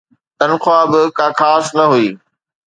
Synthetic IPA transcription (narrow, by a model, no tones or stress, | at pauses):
t̪ɐnxʊaːbɪkãːkʰaːsnɐɦuiː